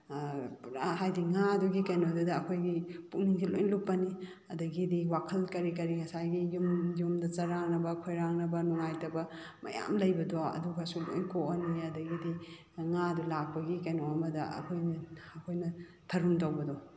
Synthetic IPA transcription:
pɾa̰ɦajdiŋaduɡikɐjnodudɐːkʰojɡipukniŋsilo̰jnlupːɐni | ɐdɐɡidiwakʰɐlkɐɾikɐɾiŋɐsajɡijumjumdɐt͡ʃɐɾaŋnɐbɐkʰojɾaŋnɐbɐnuŋajtɐbɐ | mɐ̰ja̰mlɐjbɐdɔɐ̰duɡɐsulo̰jnkoʔɐniɐdɐɡidi | ŋadulak̚pɐɡikɐjnɔɐmɐdɐ̰ɐ̰kʰojnɐɐkʰojnɐ | tʰɐɾumtawbɐdɔ

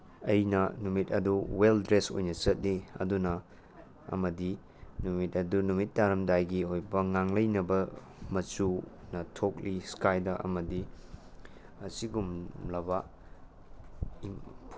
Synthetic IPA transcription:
ɐjnɐnumit̚ɐduweldɾeso̰jnɐt͡ʃɐt̚liɐ̰dunɐ | ɐ̰mɐdi | numit̚ɐdunumit̚daɾɐmdajɡiɦojbɐŋaŋlɐjnɐbɐ | mɐt͡ʃunɐtʰok̚liskajdɐʔɐ̰mɐdi | ɐsiɡumlɐbɐ | i

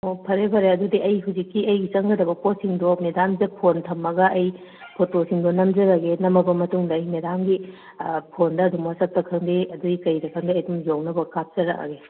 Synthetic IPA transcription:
opʰɐɾebʰɐɾeɐdudiʔɐjɦuzikːiɐjɡisɐŋɡɐdɐbɐposiŋdomedamd͡ʒɐpʰontʰɐmːɐɡɐʔɐj | pʰotosiŋdonɐmd͡ʒɐɾɐɡenɐmɐbɐmɐtuŋdɐːjmedamɡi | pʰondɐːdumasɐk̚tɐkʰɐŋdiɐduɡikɐjɾɐkʰɐŋdiɐjdumzownɐbɐkap̚t͡ʃɐɾɐ̰ka̰ɡe

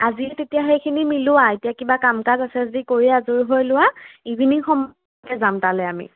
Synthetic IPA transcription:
aziɛtetijaxejkʰinimilʊwaetijakibakamkazasɛzodikoɹiɛazuɹɦojlʊwaibʱiniŋxɔm | kɛzamtalɛamḭ

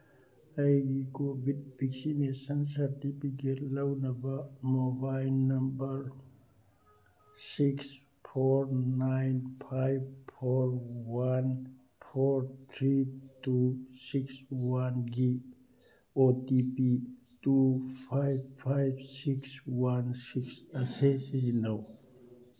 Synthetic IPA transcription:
ajɡiɡobib̥iksimesansaɾtipiɡelawnabamobajlnːambəɾ | siks | pʰoɾnajnpʰajbpʰɔɾwan | pʰɔɾt̪ʰɾitusikswanɡi | otipi | tupʰajbpʰajbsikswansiksasesizinaw

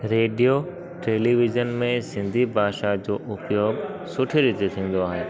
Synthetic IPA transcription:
ɾeːɖijo | ʈeːliʋɪzənmẽsɪ̃nd̪ʱibʱaːʃad͡ʑoːʔʊpjoːɡsʊʈʰeɾɪt̪et̪ʰĩːn̆d̪oaːɦeː

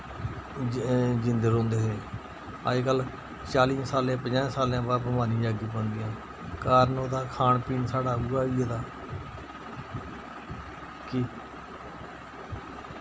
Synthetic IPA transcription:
d͡ʒɪ̃nd̪əɾõːnd̪eːɦeː | a̰ːd͡ʒkəl | t͡ʃaːlĩːsaːlẽːpəɲãːsaːlãːbaːpəmaːnĩːd͡ʒaːɡĩːpə̃nd̪ɪjãː | kaːɾnoːd̪aːkʰaːnpiːnsaːɽaːɦuːaːieːd̪aː | kɪ

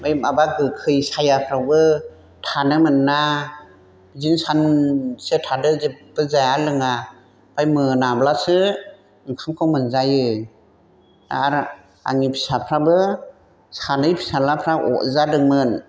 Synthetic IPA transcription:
majmabaɡɯkʰɯjsajapʰɾabɯ | tʰanɯmɯnːa | bizinsansetʰadɯzepb̥ɯzajalɯŋa | b̥ajmɯnablasɯ | ɯŋkʰaŋkʰawmɯnzajɯ | a̰ɾ | a̰ŋipʰi̥sapʰɾabɯ | sanɯjpʰi̥salapʰɾaʔɔ̰ʔzadɯŋmɯn

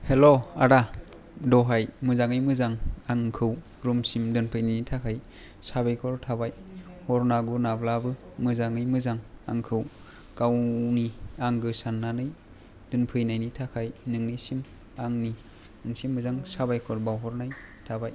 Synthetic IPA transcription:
heloaɾa | dɔɦajmɯzaŋɯjmɯzaŋaŋkʰɯw | ɾumsimdɯnpʰɯjnajnitʰakʰaj | sabajkʰɔɾtʰabajhɔɾnaɡunablabɯ | mɯzaŋɯjmɯzaŋa̰ŋkʰɯw | kawniaŋɡɯsanːanɯj | d̥ɯnpʰɯjnajnitʰakʰajnɯŋnisim | aŋni | ɯŋsimːɯzaŋsabajkʰɔɾbawɦɔɾnajtʰabaj

